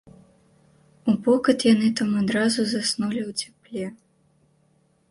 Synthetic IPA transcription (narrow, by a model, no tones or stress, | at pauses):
upɔkɐt̪jan̪ɨt̪amad̪ɾazuzasnulʲiwt͡sʲḁplʲɛ